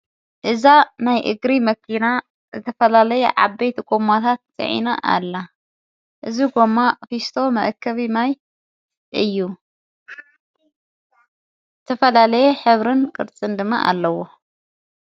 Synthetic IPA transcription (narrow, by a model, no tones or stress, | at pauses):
ʔɨzanajʔɨ̰ɡɾimɐkʰːina | zɨt̪ʰɐfɐlalɐjɛʕa̰bejt̪ʰkʼomat̪ʰat̪̚sʼɨ̰ʕḭnaʔa̰lːa | ʔɨziɡo̞mːafist̪ʰo̞mɐ̰ʔkʰːɐβimaj | ʔɨjːu | zɨt̪ʰɐfɐlalɐjɛħɨβɾɨnkʼɨɾt͡sʼɨnd̪ɨmːa̰ʔa̰lːɐwo